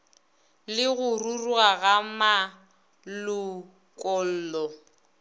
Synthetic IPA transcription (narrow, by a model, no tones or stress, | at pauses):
lɪɣʊrurwaɣama | lʊ | kʼɔl̩ːlɔ